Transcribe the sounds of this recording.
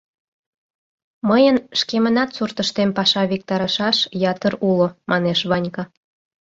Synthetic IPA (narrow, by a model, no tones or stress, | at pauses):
məjənʃkemənɑt̪surt̪əʃt̪empɑʃɑβik̚t̪ɑɾɑʃɑʃjɑt̪əɾulomʔɑneʃβɑnʲkɑ